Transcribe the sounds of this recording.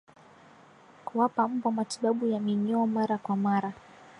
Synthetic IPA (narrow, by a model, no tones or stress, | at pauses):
kuwapam̩bɔmatiɓaɓujamiɲɔɔmaɾakwamaɾa